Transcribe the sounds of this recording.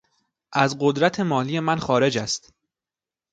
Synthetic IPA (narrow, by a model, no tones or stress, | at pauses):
ʔæzɢod̪ɾæt̪ʰe̞mɒːliːje̞mænxɒːɾe̞d͡ʒæst̪